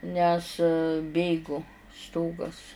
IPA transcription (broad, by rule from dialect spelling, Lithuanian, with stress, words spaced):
ˈnʲɛs ˈbʲeːɡʊ ˈstoːɡɐs